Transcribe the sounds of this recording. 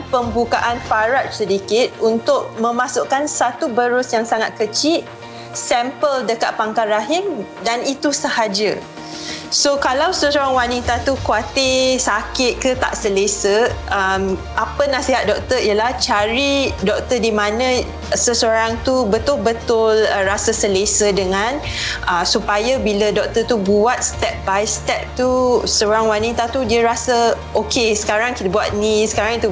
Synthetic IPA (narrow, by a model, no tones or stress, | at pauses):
pəmbukaʔanfaɾat̪̚sədikɪt̪̚unt̪ʊʔ̚mə̃mãsʊʔkansat̪ubəɾʊsjaŋsaŋat̪̚kət͡ʃiʔ | sɛmpəldəkat̪̚paŋkaɾaɦɪmdanit̪usəhad͡ʒə | sokalawsəsoɾaŋwanit̪at̪ukuat̪isakɪt̪̚kət̪a̰ʔsəlesəʔəmʔapənasiɦat̪̚dɔk̚t̪əijəlaht͡ʃaɾidɔk̚t̪ədimãnə̃ | səsoɾaŋt̪ubət̪ʊlbət̪ʊlərasəsəlesədəŋãnʔəsupajabilədɔk̚t̪ət̪ubuat̪̚st̪ɛp̚bajst̪ɛp̚t̪usəoɾaŋwanĩt̪at̪udiəɾasə | okʰesə̥kaɾaŋkit̪əbuat̪̚nĩsə̥kaɾaŋt̪u